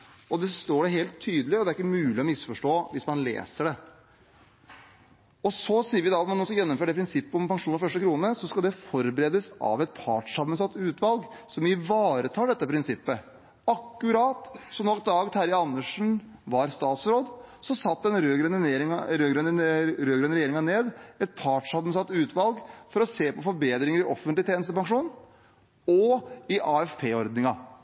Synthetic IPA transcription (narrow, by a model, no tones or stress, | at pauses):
ɔd̪ɛst̪oːɖɛɦeːlt̪ʰːyːd̪əlɪɔd̪ɛæɾɪkːəmʉːlɪɔmɪsfɔʂʈoːʋɪsmɑnlḛːsəɖɛ | ɔsɔsiːəɾʋɪd̪ɑɑt̪mɑnːɔskɑjɛnːɔmføːɾəɖɛpʰɾɪnsɪpːəɔmpɑŋʂuːnɑɾfœʂʈəkʰɾuːnəsɔskɑld̪ɛfɔɾbəɾeːd̪əsɑ̰ʋɛt̪̚pʰɑ̰ːʈʂɑmːənsɑt̪ːʉːt̪ʋɑlɡsɔmɪʋɑːɾət̪ʰɑːɖɛt̪ːəpʰɾɪnsɪpːə | ɑkːʉɾɑːt̪sɔnɔkd̪ɑːɡt̪ʰæɾɪɑnːəʂn̩ʋɑɾst̪ɑːt̪sɾoːd̪sɔsɑt̪ːɛnɾøːɡɾœnəneɾɪɾøːɡɾœnəɾøːɡɾœnəɾjeːɾɪŋɑneːd̪ɛt̪̚pʰɑːʈʂɑbmənsɑt̪ːʉːt̪ʋɑlɡfɔɾɔseːpɔfɔɾbeːd̪ɾɪŋəɾɪʔɔfənt̪lɪt̪ʰeːnəst̪əpɑŋʂuːn | ɔɪʔɑːɛfpʰeːɔɾd̪nɪŋɑ